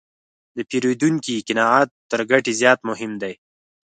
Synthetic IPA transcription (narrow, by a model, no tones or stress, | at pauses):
d̪əpeɾed̪uŋkikɪnɑɑt̪ːəɾɡaʈizjɑt̪mʊɦɪmd̪aj